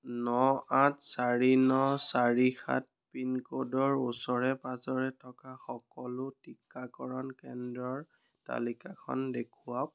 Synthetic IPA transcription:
nɔatsaɹinɔsaɹixʰa̰t̚pinkodɔɹusɔɹɛpazɔɹɛtʰɔkaxɔkɔlʊtikːakɔɹɔnkɛndɹɔɹ | ta̰likakʰɔ̰ndekʰuwak̚

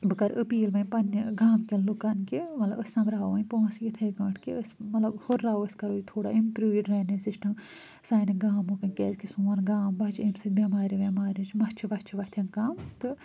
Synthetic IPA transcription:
bɨkɐɾəpiːlʋɐnʲpɐnːɡaːmkʲɐllukɐnkimɐt̪lɐbɐsʲnɐmɾaːoɐnʲpõːnsijit̪ʰɐːkɐʈʰkiəsmɐt̪lɐbhoɾːaːoɐskɐɾoːit̪ʰoːɽa̰ːimpɾuːiɖɾɐːnisisʈɐm | saːniɡaːmukɐnʲkʲeːzkisuːɐnɡaːmbɐt͡ʃʰimsɨk̚bʲemaːɾiʋʲemaːɾit͡ʃʰmɐt͡ʃʰiʋɐt͡ʃʰiʋɐt̪ʰjɐnkaːmt̪ɨ

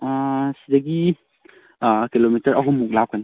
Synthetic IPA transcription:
sidɐɡi | kilomitɐɾɐɦumːuk̚lap̚kan

